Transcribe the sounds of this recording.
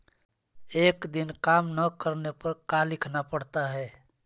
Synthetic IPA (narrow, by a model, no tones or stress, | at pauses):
eːkd̪ɪnkaːmnəkəɾnepəɾkalɪkʰnapəɽt̪aɦɛː